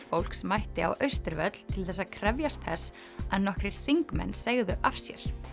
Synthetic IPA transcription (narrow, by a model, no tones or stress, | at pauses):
fowl̥ksmajht̪ɪa̰wʔœɥst̪ʏɾvœt̪l̥t̪ʰɪlθɛsːaðkʰɾɛvjast̪θɛsː | aðnɔhkɾɪɾ̥θiŋkmɛ̰nːseɣðʏʔafsjɛ̰ɾ̥